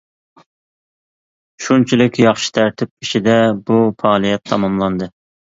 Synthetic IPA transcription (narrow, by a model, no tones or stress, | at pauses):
ʃunt͡ʃʰilɪkʲjɑχʃi̥t̪ʰæɾt̪ʰɪp̚iʃid̪ɛbufɑːlˠijɛt̪ʰːɑmɑmlˠɑnd̪ɨ